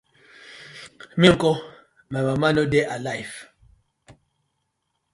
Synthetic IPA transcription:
miŋ̩kɔ | mɛmamanodeʔalajf

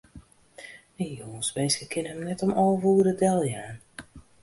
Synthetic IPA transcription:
əjoŋəsmenskəkʰɪnɦəmnɛtɔmɔlˠvuːədədɛlˠjaːn

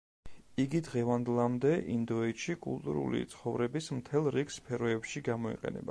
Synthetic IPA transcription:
iɡid̪ʁɛvand̪ɛlˠamd̪ɛʔind̪ɔɛt̪ʃikʼṵlˠt̪ʼṵɾṵlḭt̪sʰχɔvɾɛbismt̪ʰɛlˠɾikspʰɛɾɔɛpʃiɡamɔḭqʼɛ̰nɛ̰ba

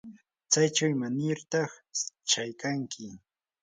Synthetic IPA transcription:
t͡sajt͡ʃawɪmanɪɾt̪ɑχt͡ʃajkaŋkʰɪ

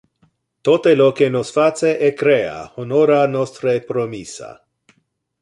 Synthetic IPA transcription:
t̪ot̪elokenosfat͡seʔekɾea̰honoɾanost̪ɾepɾomisa̰

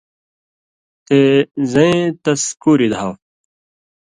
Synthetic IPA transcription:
t̪ezɐ̃ẽt̪ɐskuːɾid̪ʱaw

